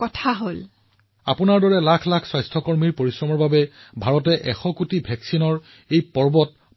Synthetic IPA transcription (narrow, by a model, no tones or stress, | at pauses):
kɔtʰaɦol | apʊnaɹdɔɹɛlakʰlakʰswajstʰɔkɔɹmiɹpoɹisɹɔmɔɹbabɛbʱaɹɔtɛʔɛxɔkutibʱɛksinɔɹ | ejpɔɹbɔt̚